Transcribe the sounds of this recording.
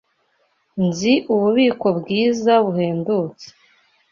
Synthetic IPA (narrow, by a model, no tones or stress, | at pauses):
nziʔuβuβiːko̞bɡiːzaβuheːnduːt͡se̥